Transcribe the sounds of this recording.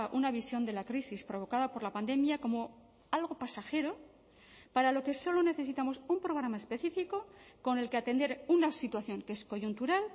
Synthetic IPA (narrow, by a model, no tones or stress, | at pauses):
ʔunaβ̞isjo̞nd̪e̞lakɾisispɾo̞β̞o̞kaðapo̞ɾlapand̪e̞mjako̞mo̞ | alɣo̞pasaxe̞ɾo̞ | paɾalo̞keso̞lo̞ne̞θe̞sit̪amo̞sumpɾo̞ɣ̞ɾamaespe̞θifiko̞ko̞ne̞lkeat̪e̞nd̪e̞ɾunasit̪waθjo̞ŋkee̞sko̞ʝunt̪uɾal